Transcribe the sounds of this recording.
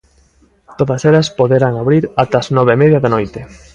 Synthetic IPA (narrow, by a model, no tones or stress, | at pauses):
t̪oðɐselɐspoðeɾaŋaβɾiɾat̪ːznɔβemeðjɐðanojt̪ɪ